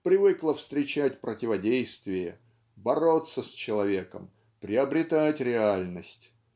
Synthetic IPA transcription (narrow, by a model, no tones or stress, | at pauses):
pɾʲɪvɨklˠəfst̪ɾʲɪt͡ɕætʲpɾətʲɪvɐdʲejst̪vʲɪjə | bɐɾot̪səsʲt͡ɕɪlˠɐvʲe̞kə̰m | pɾʲɪɐbɾʲɪt̪atʲɾʲɪalʲnəsʲtʲ